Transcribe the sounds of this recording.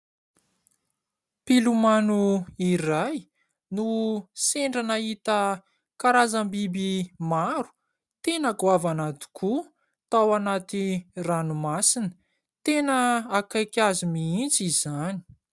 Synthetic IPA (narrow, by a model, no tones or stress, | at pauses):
pilumanuiɾaj | nuseɳɖ͡ʐanaɦit̪ə | kaɾazambibimaɾu̥ | t̪enakuavanat̪i̥kʰu | t̪awanat̪iranumasinə | t̪enəakajkʲazimiint͡sizani̥